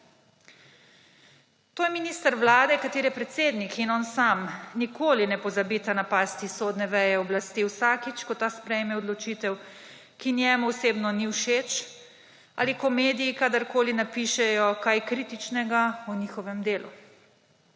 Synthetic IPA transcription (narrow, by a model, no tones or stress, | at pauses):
t̪oːjɛminist̪əɾʋlaːd̪ɛkat̪eːɾjɛpɾɛt̪seːd̪nikinɔnsamnikʰoːlinɛpɔzabiːt̪anapaːst̪isoːd̪nɛʋɛjɛɔblast̪iːwsaːkit͡ʃkɔt̪ːaːspɾɛjmɛɔd̪lɔt͡ʃiːt̪ɛw | kinjɛːmuwseːbnɔniwʃeːt͡ʃ | a̰ːlikɔmeːd̪ijikad̪aɾkoːlinapiːʃɛjɔkajkɾiːt̪it͡ʃnɛɡauniːxɔʋɛmd̪eːlṵ